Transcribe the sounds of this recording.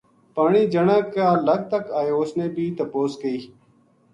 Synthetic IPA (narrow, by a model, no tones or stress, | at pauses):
paːɳiːd͡ʒəɳãːkaːləɡ̚t̪əkaːeoːsnẽːbʱiːt̪əpoːskəiː